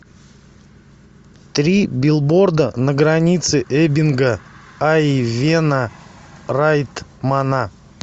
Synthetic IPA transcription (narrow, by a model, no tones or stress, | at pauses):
t̪ɾʲibʲɪlˠbord̪ənəɡɾanʲit̪sɨʔebʲɪnɡə | avʲena | rajt̪mana